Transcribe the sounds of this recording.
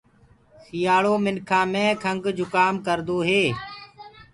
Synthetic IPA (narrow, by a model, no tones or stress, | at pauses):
sɪjaːɭoːmɪnkʰãːmẽːkʰəŋɡd͡ʒʊkaːmkəɾd̪oːɦeː